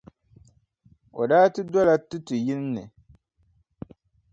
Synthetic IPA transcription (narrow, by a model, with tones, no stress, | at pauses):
o˨daː˦tɨ˦dɔ˦la˨tu˦tu˨jɪ˦nː˦ɨ˨